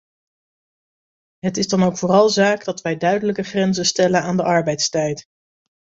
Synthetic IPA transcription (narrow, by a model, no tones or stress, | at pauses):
ɦətɪzdɑnowkfʊːrɑlˠzaːɡdɑtʋɛjdœɥdələkəχrɛnzəstɛlənaːndəʔɑɹbɛjtstɛjt